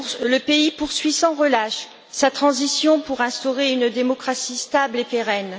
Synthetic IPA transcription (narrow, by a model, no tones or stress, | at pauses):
ləpeipuʁsɥisɑ̃ʁəlaʃ | sat̪χɑ̃zisjɔ̃puʁɛ̃st̪ɔʁeynd̪emɔkχasist̪ablepeʁɛn